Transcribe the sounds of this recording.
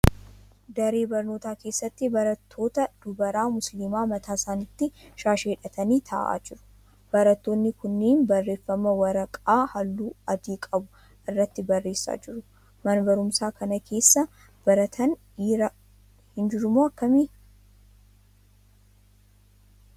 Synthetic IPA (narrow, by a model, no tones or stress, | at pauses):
d̪ɐɾe̞ːbɐɾno̞ːt̪aːke̞ːsːɐt̪ːɪbɐɾɐt̪ʰːo̞ːt̪ɐd̪̥ʊbɐɾaːmʊslɪmaːmɐt̪ʰaːsaːnɪt̪ːɪʃaːʃeːᶑɐt̪ʰɐniːt̪ʰɐ̰ʔa̰ːd͡ʒɪɾʊ̥ | b̥ɐɾɐt̪ːo̞ːnːɪkʊnːeːnbɐrːe̞ːfːɐmɐwɐɾɐkʼaːhɐlːuːɐd̪iːkʼɐbʊ | ʔɪrːɐt̪ːɪbɐrːe̞ːsːa̰ːd͡ʒɪɾʊ | mɐnbɐɾʊmsaːkɐnɐkʰe̞ːsːɐ | b̥ɐɾɐt̪ʰɐnː | ɾɐ | hɪnd͡ʒɪɾʊmoːɐkːɐmiː